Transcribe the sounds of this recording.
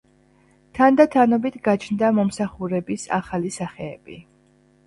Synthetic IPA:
t̪ʰand̪at̪ʰanɔbit̪ʰɡat͡ʃʰnd̪amɔmsaχuɾɛbisa̰χalisaχɛːb̥i

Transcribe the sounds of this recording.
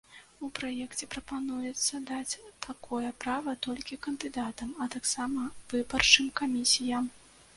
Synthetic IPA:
upɾajɛkt͡sʲɛpɾɐpanujɛt̪sːɐd̪at͡sʲt̪ʰakʰɔjɛpɾavɐt̪ɔlʲkʲikɐnd̪ɨd̪at̪ɐmɐt̪aksamɐvɨbɐrt͡ʂɨmkamʲisʲijɐm

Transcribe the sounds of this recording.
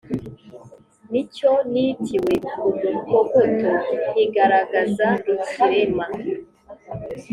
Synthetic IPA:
niconitʰiwekuɡukoɡotoniɡaɾaɡazandusiɾema

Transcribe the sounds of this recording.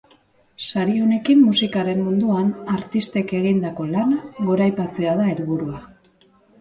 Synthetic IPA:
saɾione̞kimːusikaɾe̞mmund̪uanaɾt̪ist̪e̞ke̞ɣ̞ind̪ako̞lanaɡo̞ɾajpat͡se̞aðaeɾβuɾua

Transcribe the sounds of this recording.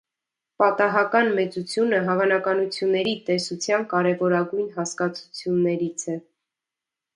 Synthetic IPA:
pɑt̪ɑɦɑkɑnmɛt͡sut͡sʰjunəɦɑvɑnɑkɑnut͡sʰjunːɛɾit̪ɛsut͡sʰjɑnkɑɾɛvɔɾɑɡujnɦɑskɑt͡sʰu̥t͡sʰjunːɛɾit͡sʰɛ

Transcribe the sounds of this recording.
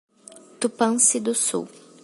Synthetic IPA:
t̪upɐ̃sɪd̪ʊsṵw

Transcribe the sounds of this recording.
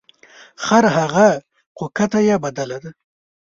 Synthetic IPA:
χaɾɦaɣa | qokat̪ajabad̪alad̪a

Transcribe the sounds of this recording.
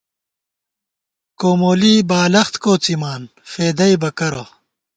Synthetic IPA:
koːmoːliːbaːlɐxt̪koːt͡simaːn | feːd̪ɐibɐkɐɾɐ

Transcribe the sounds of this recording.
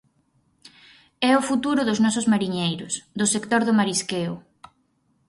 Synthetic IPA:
ɛʊfut̪uɾʊðʊznɔsʊzmaɾiɲejɾʊsd̪ʊsekt̪oɾðʊmaɾiskeʊ

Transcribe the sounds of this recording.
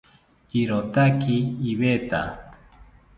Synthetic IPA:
iɾot̪akiːβet̪a̰

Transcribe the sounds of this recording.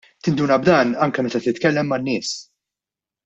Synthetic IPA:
t̪ɪnd̪uːnɐbd̪ɐːnɐŋkɛmɛt̪ɐt̪ɪt̪kɛlːɛmːɐnːɪːs

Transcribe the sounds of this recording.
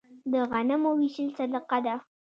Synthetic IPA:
d̪əɣanamowiʃəlsaləqad̪a

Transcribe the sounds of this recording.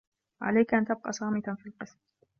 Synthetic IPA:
ʕa̰lajkʔant̪ab̚qɑ̰ːsˤɑːmɪt̪anfiːlqɨsm

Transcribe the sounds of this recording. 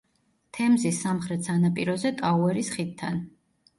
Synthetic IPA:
t̪ʰɛmzisːamχɾɛt̪sanapʼiɾɔzɛt̪ʼauɛɾisχit̪ʰːa̰n

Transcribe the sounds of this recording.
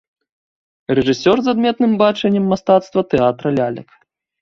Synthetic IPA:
rɛʐɨsʲɔrzad̪mʲɛt̪̚nɨmbat͡ʂɛnʲːɛmːast̪at̪st̪vɐt̪ɛat̪ɾɐlʲalʲɐ̰k

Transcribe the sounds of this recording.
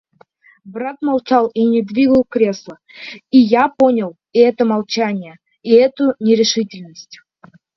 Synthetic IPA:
bɾat̪malˠt͡ɕalˠinʲɪd̪vʲiɡəlˠkɾʲe̞slˠə | ijapo̞nʲɪlˠ | ɛt̪əmalˠt͡ɕanʲɪjə | iɛt̪ʊnʲɪɾʲɪʂɨtʲɪlʲnəsʲtʲ

